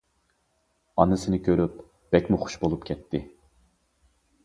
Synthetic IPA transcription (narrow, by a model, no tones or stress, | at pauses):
ɑnːɨsɪnɪkʲʰøɾyp | b̥ɛkʲmuχʊ̥ʃbolˠupkʲʰɛt̪ʰːɪ